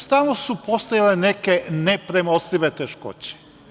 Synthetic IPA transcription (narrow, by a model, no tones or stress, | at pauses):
st̪anosupost̪ojalenekenepɾemosliʋet̪eʃko̰t͡ɕe̥